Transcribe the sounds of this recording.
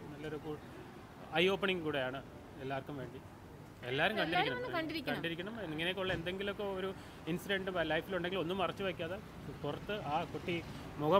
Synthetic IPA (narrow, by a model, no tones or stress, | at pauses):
nɐlːɐoɾuku | ɐjo̞ːpːɐɳiŋɡɨkuːɽejaːɳɨ | elːaːrkːumʋe̞ːɳɖi | elːaːɾumkɐɳɖiɾikɳɐmɐɳɖiɾikʲkːɐɳɖiɾikʲːɐɳɐmiŋːɐnekːuɭːɐend̪eŋɡilokːeoɾu | insiɖeɳɖɨpalɐjfiluɳɖeŋɡilo̞nːumɐrɐt͡ɕːuʋaːkʲːaːðe | purɐt̪ːɨaːkoʈːi | muɣɐ